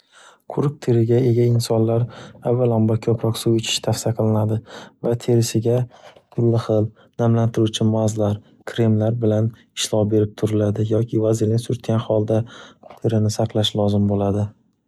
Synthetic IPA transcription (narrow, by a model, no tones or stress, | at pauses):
qʰʊɾɪk̚t̪ʰeɾɪɡʲae̞ɡʲaɪnsɒnlaɾavalambakʲʰɵpʰɾɒqsuwɪt͡ʃʰɪ̥ʃt̪ʰafsijaqʰɨlˠɪnad̪ɪvat̪ʰe̞ɾɪsɪɡʲakʰʊlːɪχɨl | namlant̪ʰɪɾut͡ʃʰɪmazlaɾ | kʲʰɾe̞mlaɾbɪlan | ɪʃlˠɒwbe̞ɾɪp̚t̪ʰʊɾɪlad̪ɪjɒkʲʰɪvazɪɾnɪsʊɾt̪kʲʰanχɒlˠd̪at̪ʰeɾɪnɪsaqlˠaʃlɒzɪmbolad̪ɪ